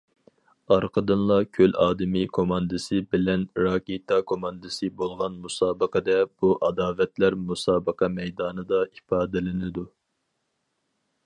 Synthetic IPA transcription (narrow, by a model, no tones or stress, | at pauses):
ɑɾqʰəd̪ɨnlˠɑkʲʰølɑːd̪ɨmikʰomɑnd̪ɨsɨbɪlɛnɾɑːkʲet̪ʰɑkʰomɑnd̪ɨsɨbolˠʁɑnmusɑːbəqʰəd̪ɛb̥uʔɑd̪ɑːvɛt̪læɾmusɑːbəqʰɑmɛjd̪ɑːnɨd̪ɑifɑːd̪ɪlɪnɪd̪u